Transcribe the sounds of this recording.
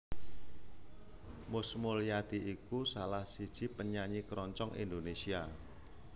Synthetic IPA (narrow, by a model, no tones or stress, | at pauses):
mʊsmoljad̪̥i̤ʔikusalahsid̥ʒ̥i̤pəɲaɲikɾɔɲt͡ʃɔŋḭnd̪onesia